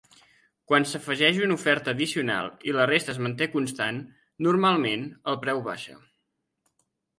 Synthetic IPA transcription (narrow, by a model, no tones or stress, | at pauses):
kwansəfəʒɛʒunufɛɾt̪əːðisiuna̰lˠilərest̪əːzmənt̪ekunst̪anː | urmalˠmenəlˠpɾɛwβa̰ʃə̰